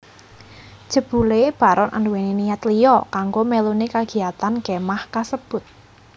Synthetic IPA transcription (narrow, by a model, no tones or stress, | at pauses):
d̥ʒ̥ə̤b̥ṳleb̥a̤ɾɔnʔa̰nduwenenijat̪lijɔkaŋɡomelunekaɡ̥i̤at̪anɡ̥emahkasəb̥ʊ̤t̪̚